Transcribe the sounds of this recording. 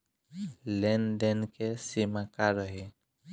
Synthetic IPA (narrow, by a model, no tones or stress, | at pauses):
lɛndɛnkɛsimakaɹɔɦi